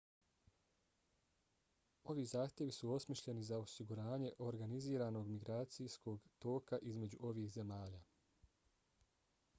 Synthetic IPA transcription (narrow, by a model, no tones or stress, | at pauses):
o̞ʋiːzaːxt̪ʲje̞ʋisuo̞smiʃʎe̞nizaosiɡuɾaːɲe̞ʔo̞ɾɡaniziːɾaːno̞ɡmiɡɾaːt̪sijsko̞ɡt̪o̞ːkaʔizme̞d͡ʑuʔo̞ʋiːxze̞maːʎaː